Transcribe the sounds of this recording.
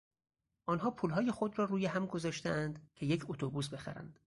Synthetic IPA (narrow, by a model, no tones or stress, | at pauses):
ʔɒːnɦɒːpʰuːlɦɒːje̞xo̞d̪rɒːɾuːjeɦæmɡo̞zɒːʃt̪eʔænd̪cʰe̞je̞cʰot̪ʰobuːs̬be̞xæ̰ɾæ̰nd̪̥